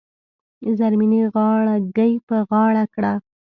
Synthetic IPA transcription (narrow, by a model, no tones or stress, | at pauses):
zaɾminiɣɑɭaɡajpəɣɑɽakɽa